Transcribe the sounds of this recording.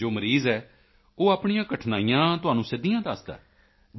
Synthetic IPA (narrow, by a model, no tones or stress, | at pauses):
oːməɾiːzɛː | oːaːpɳijãːkəʈʰnaːijãːt̪ʊɦaːnũːsɪd̪ijãːd̪aːsd̪a̰ː